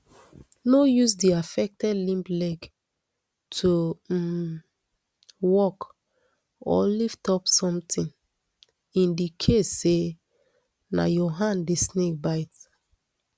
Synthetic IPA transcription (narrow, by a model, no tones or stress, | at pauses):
nojus̬diafɛk̚tɛdlĩmplɛɡ | tʰu | wɔk | ɔ̰liftɔpsɔ̃mtʰĩn | ĩndikʰesːe | na̰jɔɦãndesnek̚baɪt